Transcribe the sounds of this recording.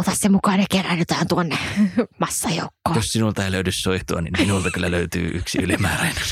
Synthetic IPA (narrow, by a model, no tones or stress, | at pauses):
ot̪ɑssemukɑːnekerænyt̪æːnt̪uonːemɑsːɑjo̰ukːoːjossinult̪ɑeˑiløydyssoit̪oɑnḭmminult̪ɑkylːæløyt̪y̰ːʔyksḭylimæːræinɑ